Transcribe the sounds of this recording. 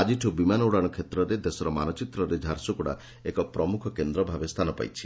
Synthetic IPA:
ad͡ʒiʈʰubimanɔwɽaɽ̃ɔkʰet̪ɾɔɾed̪esɔɾɔma̰nɔt͡ʃit̪ɾɔɾed͡ʒʱaɾsukuɽa̰ | ekɔpɾɔmukʰɔkend̪ɾɔbʱabest̪ʰanɔpa̰jt͡ʃʰi̥

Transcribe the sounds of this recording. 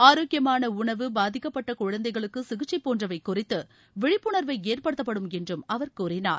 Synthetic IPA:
aːɾoːkːɪjɐmaːnɐʊɳɐʋɯbaːðɪkːɐpːɐʈːɐkʊɻɐnd̪ɐɪɣɐɭɯkːɯsɪɣɯt͡ʃːɐɪpːoːndrɐʋɐɪkːʊrɪt̪ːɯ | ʋɪɻɪpːʊɳɐɾʋɐɪeːrpɐɽɯt̪ːɐpːɐɽɯmɛndrɯmɐʋɐɾkʊrɪna̰ːɾ

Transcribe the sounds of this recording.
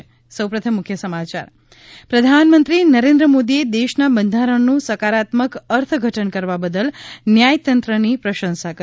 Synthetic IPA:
səwpɾət̪ʰəmːʊkʰjəsəmat͡ʃa̰ɾ | pɾəd̪ʱanmə̃nt̪ɾinəɾẽnd̪ɾəmod̪ied̪eʃnabənd̪ʱaɾəɳnũsəkaɾat̪məkəɾt̪ʰɡʱəʈənkəɾʋabəd̪əlnjajt̪ənt̪ɾənipɾəʃə̃nsakə

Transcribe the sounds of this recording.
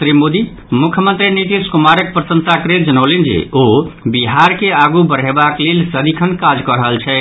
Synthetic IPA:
t̪ɾimod̪i | mukʰjəmənt̪ɾiniʈ̪iskumaɾək̚pɾəsənsakɾed͡ʒənəʊlend͡ʒḛobiɦaɾkeaɡubəɾ̤ebaklelsəd̪ikʰənkad͡ʒkəɾəɦəlt͡ʃʰɛ

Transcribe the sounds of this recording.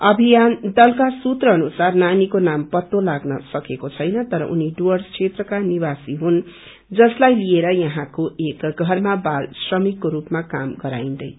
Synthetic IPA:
ʌbʱijand̪ʌlkasut̪rʌʌnusarnanikonampʌt̪ːolaɡnʌsʌkekot͡sʰʌjnʌt̪ʌɾʌ̰ʔuniɖuʌrt͡sʰet̪rʌkanibasiɦun | d͡zʌslajlijeɾʌjʌɦãkoʔekɡʱʌrmabalsrʌmikːoɾupmakamɡʌɾa̰ind̪ʌj

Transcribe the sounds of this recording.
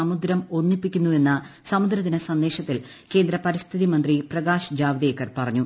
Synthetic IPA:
ɐmud̪ɾɐmo̞nːipːikʲːunːue̞nːɐsɐmud̪ɾɐt̪ːinesɐnd̪e̞ːɕɐt̪ːil | ke̞ːnd̪ɾɐpɐɾist̪ʰiðimɐnd̪riprɐɡaːʂd͡ʑaːʋiðeːkːɐrpɐrɐɲːu

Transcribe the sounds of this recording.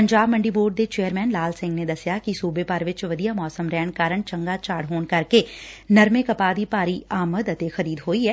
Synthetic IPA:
pəɲd͡ʒaːbməɳɖiːboːɖ̚d̪eːt͡ʃeːəɾmɛːnlaːlsɪ̃ŋɡneːd̪əsɪjaːkɪsuːbeːpəɾʋɪt͡ʃʋəd̪ijaːmɔːsəmɾɛːɳkaːɾəɳt͡ʃəŋɡaːt͡ʃaːɽɦoːɳkəɾkeːnəɾmeːkəpaːd̪iːpaːɾiːaːməd̪ət̪exʰəɾiːd̪ɦoːiɛː

